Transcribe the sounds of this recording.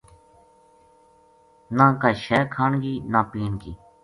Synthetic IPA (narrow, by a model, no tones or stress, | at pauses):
nãːkaːʃɛːkʰaːɳɡiːnãːpiːnɡiː